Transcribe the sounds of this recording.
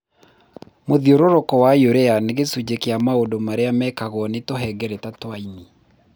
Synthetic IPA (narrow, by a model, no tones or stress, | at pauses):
moðioɾoɾokɔwajoɾeaneɣesud͡ʑekeamaodomaɾeamɛkaɣɔnetoɦɛɡɛɾetatwaini